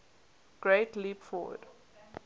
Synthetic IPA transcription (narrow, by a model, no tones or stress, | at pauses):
ɡ̥ɹeɪtliːpfɔwə̰d̥